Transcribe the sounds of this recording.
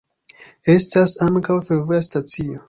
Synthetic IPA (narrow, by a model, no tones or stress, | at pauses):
e̞stasaŋkawfe̞ɾvo̞jastat͡sio̞